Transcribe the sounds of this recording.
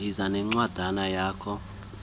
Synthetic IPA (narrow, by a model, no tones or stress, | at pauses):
izanɛŋ͡ǀwad̥ʱanajaːkʰɔ